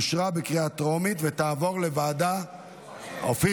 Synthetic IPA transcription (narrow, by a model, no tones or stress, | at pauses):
ʃʁabekʁiatʁomit̪vet̪aːvo̞ʁle̞vaːda | o̰fi